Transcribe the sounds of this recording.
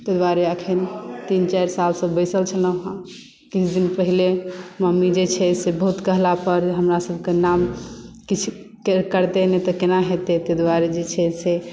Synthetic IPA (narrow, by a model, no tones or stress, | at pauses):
t̪əd̪waɾeəkʰint̪int͡ʃaɾsalsə̃bəɪsəlt͡ʃʰələ̃ɦã | kit͡ʃʰd̪inpəɦileməmid͡ʒet͡ʃʰɛsebəɦut̪kəɦlapəɾɦəmɾasəbʱkenamkit͡ʃʰ | kekəɾt̪enɛ̃t̪ɔkenaɦet̪et̪ed̪waɾed͡ʒet͡ʃʰɛse